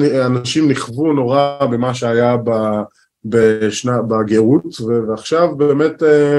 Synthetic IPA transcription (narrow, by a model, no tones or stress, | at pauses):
nianaʃimniχvuno̞ʁabemaʃ̬eajaba | beʃnabaɡeʁut̪veveaχʃavbeːmete